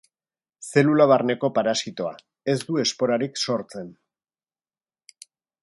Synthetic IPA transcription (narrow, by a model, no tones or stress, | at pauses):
se̞lulaβarne̞ko̞paɾasit̪o̞a̰ | e̞zd̪ue̞spo̞ɾaɾikso̞ɾt͡se̞n